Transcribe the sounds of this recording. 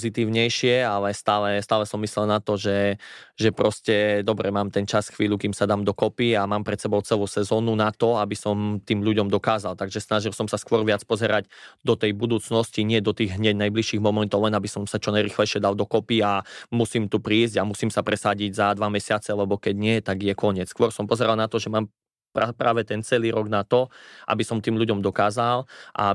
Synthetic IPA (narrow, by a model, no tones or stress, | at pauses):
pzit̪iːʊɲɛjʃɪɛalɛst̪aːlɛst̪aːlɛsɔmːislɛlnat̪ɔʒɛʒɛpɾɔscɛd̪ɔbɾɛmaːmt̪ɛnt͡ʃasxʋiːʎukiːmsad̪aːmd̪ɔkɔpiamaːmpɾɛt̪sɛbɔʊt͡sɛluʊsɛzɔːnunat̪ɔabisɔmt̪iːmʎuɟɔmd̪ɔkaːzalt̪aɡʒɛsnaʒilˠsɔmsaskʋɔɾʋɪat͡spɔzɛɾaɟd̪ɔt̪ɛjbud̪uːt͡snɔsciɲɪɛd̪ɔt̪iːɣɦɲɛɟnajbliʃiːɣmɔmɛnt̪ɔʊlɛnabisɔmsat͡ʃɔnajɾiːxlɛjʃɪɛd̪alˠd̪ɔkɔpiamusiːmt̪upɾiːzɟamusiːmsapɾɛsaɟiɟzad̪ʋamɛsɪat͡sɛlɛbɔkɛɟɲɪɛt̪aɡjɛkɔɲɪɛt͡sskʋɔɾsɔmpɔzɛɾalnat̪ɔʒɛmaːm | pɾapɾa̰ːʋɛt̪ɛnt͡sɛliːɾɔɡnat̪ɔʔa̰bisɔmt̪iːmʎuɟɔmd̪ɔkaːzalʔa̰